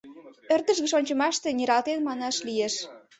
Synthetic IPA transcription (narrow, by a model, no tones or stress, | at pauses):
ørd̪ə̆ʒɣə̆ʃonʲt͡ɕə̆mɑʃt̪enʲiɾɑlt̪enmɑnɑʃlieʃ